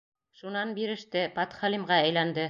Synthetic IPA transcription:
ʃunɑnbiɾɘ̆ʃt̪ɘpɑt̪χɑlimʁɑæjlænd̪ɘ

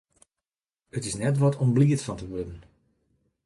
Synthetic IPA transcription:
ətɪsnɛtʋɔtʰombliətfɑntəʋødən̩

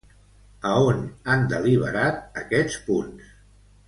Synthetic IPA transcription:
əonand̪əliβ̞ə̰ɾat̪̚əkɛt͡spuns

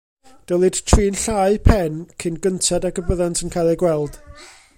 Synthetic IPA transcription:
d̥əlˠɨd̥tʰriːnɬaːjpʰɛnkʰɪnɡəntʰɛdaɡəbəðantʰənkʰajlˠiɡwɛlˠd̥

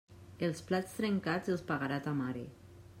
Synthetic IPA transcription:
elˠsplat͡st̪ɾeŋkad͡zelˠspaɣaɾat̪amaɾḭ

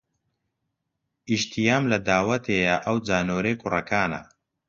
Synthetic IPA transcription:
iʃt̪ʰijaːmlɐd̪aːwɐt̪ʰeːjɐʔɐwd͡zaːnoːɾeːkʰʊrɐkʰaːnɐ̰

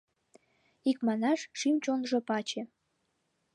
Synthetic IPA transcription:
ikmɑnɑʃʃimt͡ɕonʒopɑt͡ɕĕ

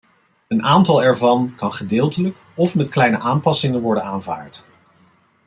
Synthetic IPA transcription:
ənʔaːntɑlˠɛɹvɑnkɑnχədɪːlˠtələk | ɔfmɛtklɛjnəʔaːmpɑsɪŋənʋɔɹdənaːnva̰ːɹt

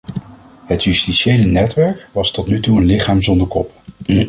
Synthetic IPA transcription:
ɦətjystiʃejlənɛtʋɛɹkʋɑstɔtnytuənlɪχaːmzɔndəɹkɔp

